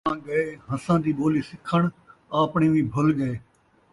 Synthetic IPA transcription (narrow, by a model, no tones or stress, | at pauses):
ãːɡəeːɦəsãːd̪iːɓoːliːsɪkʰəɳ̃aːpɳĩːʋĩːbʱʊlɡəeː